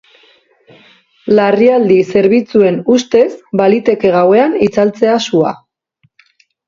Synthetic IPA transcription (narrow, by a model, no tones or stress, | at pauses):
lariald̪ise̞ɾβit͡sue̞nust̪e̞sbalit̪e̞ke̞ɣ̞awe̞anit͡salt͡se̞asua̰